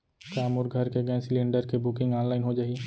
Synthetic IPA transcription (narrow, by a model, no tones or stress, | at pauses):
kaːmʊɾɡʱəɾkeɡə̃sɪlẽːɳɖəɾkebʊkɪ̃ŋɡãːnlaːɪnɦod͡ʒaːɦi